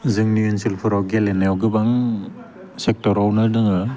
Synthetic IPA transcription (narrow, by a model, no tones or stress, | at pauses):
zɯŋniɯnsilpʰɯɾawɡelenajawɡɯbaŋ | sek̚tɔɾawnɯɾnɯŋɯ